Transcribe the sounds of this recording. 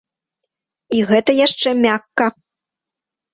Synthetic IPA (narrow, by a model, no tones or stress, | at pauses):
iɣɛt̪ɐjaʂt͡ʂɛmʲakːɐ